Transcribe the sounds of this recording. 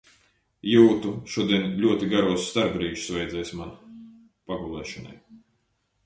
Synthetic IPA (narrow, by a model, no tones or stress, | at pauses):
juːt̪uʃuɔd̪iɛnlʲuɔt̪iɡaɾuɔsːt̪aɾbɾiːʃsvɛjd̪zɛjsʲman | paɡulˠɛ̰ːʃɔna̰j